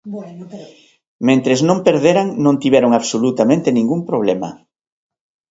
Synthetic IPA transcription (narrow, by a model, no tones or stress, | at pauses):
mẽnt̪ɾeznõmpeɾðeɾaŋnõnt̪iβɛɾoŋaβsolut̪amẽnt̪enĩŋɡumpɾoβlɛmɐ̰